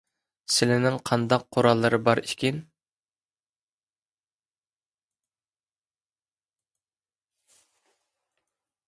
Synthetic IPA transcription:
sɪlɪnɪŋqʰɑnd̪ɑqʰːoɾɑlˠːɨɾɨbɑɾikʲin

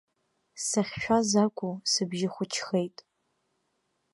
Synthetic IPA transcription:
saχʲʃᶣʷazakʷʼʊsɨbʒɪχʷʊt͡ʃʰxejtʼ

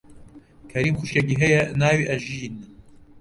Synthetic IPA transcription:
kʰɐɾiːmxuʃekiɦɐjɐnaːwiʔɐʒin

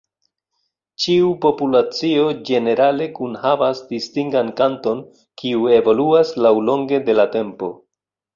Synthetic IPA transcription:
t͡ʃiupo̞pulat͡sio̞d͡ʒe̞ne̞ɾale̞kunhavasdistiŋɡankanto̞n | kiue̞vo̞luaslawlo̞ŋɡe̞de̞late̞mpo̞̰

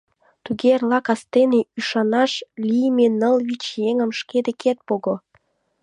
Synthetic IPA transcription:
t̪uɣerlɑkɑst̪eneyʃɑnɑʃlʲijmenəlβit͡ɕjeŋə̆mʃked̪eket̪̚poɣo

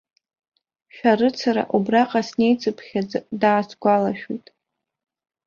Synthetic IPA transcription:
ʃᶣarɨt͡sʰaɾa̰ʔubraqʼasne̞jt͡sʰʼɨpʰχʲadaːsɡʷalaʃᶣujtʼ

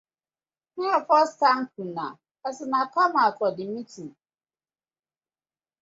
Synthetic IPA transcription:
piafɔstãŋ̩k̚ʰũnã̰ | asɪnãpʰamãkʰɔdɪĩtʰĩ

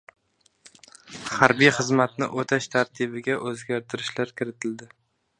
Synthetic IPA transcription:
haɾbijχɨzmat̪nɪ̰ʔot̪ʰaʃt̪ʰaɾt̪ʰibɪɡʲaʔɵzɡʲaɾt̪ʰɪɾɪʃlaɾkʲʰɪɾɪt̪ʰɪld̪ɪ

